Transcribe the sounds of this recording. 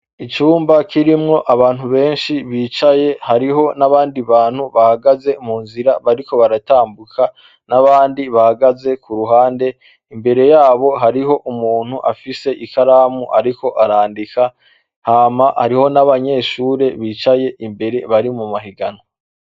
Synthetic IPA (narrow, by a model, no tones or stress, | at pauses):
it͡ʃuːmbakiɾimŋo̞ʔaβaːn̥huβe̞ːnʃiβiːt͡ʃaje̞haɾiɦo̞naβaːndiβaːn̥huβahaɡaze̞muːnziɾaβaɾiko̞βaɾataːmbukʰa | naβaːndiβahaɡaze̞kuɾuɦaːnde̞ | imbe̞ɾe̞jaːβo̞ɦaɾiɦo̞ʔumuːn̥huʔafise̞ʔikaɾaːmuʔaɾiko̞ʔaɾaːndika | haːmaha̰ɾiho̞naβaɲe̞ːʃuːɾe̞βiːt͡ʃaje̞ʔimbe̞ɾe̞βaɾimumaɦiɡano